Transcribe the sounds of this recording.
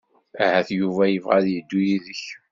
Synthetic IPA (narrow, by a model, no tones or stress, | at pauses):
ahæθjuvæjəvʁaðjəd̪ːujiðəç